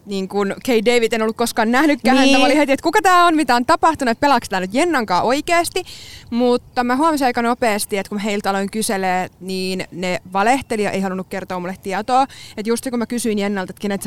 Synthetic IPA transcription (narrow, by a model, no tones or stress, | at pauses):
niːŋkunkʰeideiʋit̪enolːukkoskɑːnnæhnykːæːhænt̪æmɑolihet̪iet̪kukɑt̪æːonmit̪æont̪ɑpɑht̪unuet̪̚pelɑkst̪æːnyt̪jenːɑŋkɑːʔoikeːst̪imut̪ːɑmæhuɑmɑsiɑikɑnopeːst̪iet̪kumæheilt̪ɑloiŋkyseleːniːnneʋɑleht̪eliɑʔeihɑlunːukkert̪oːmulːˑet̪t̪ːiɑt̪oːet̪just̪ikumækysyinjenːɑlt̪et̪kinet̪s